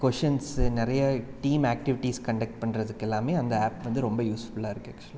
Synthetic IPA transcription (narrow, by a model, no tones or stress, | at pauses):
kɔʂɐnsnɪɾɐjɐʈiːmaːk̚ʈɪʋɪʈiskɐɳɖɐk̚ʈ̚pɐɳɾɐðɯkːɛlːaːmeːɐnd̪ɐaːpʋɐnd̪ɯɾɔmbɐjuːsfʊɭaːɪɾɯkːɯɐkt͡ʃːʊli